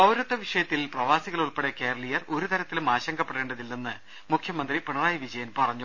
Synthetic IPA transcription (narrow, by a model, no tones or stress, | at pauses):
ɐwɾɐt̪ːɐʋiʂɐjɐt̪ːilprɐʋaːsiɣɐɭuɭpeɽeke̞ːɾɐlijɐro̞ɾut̪ɐɾɐt̪ːilumaːɕɐŋɡɐpːeɽe̞ːɳɖɐðilninːɨ | mukʰjɐmɐnd̪ripeɳɐraːjʋid͡ʑɐjɐnpɐrɐɲːu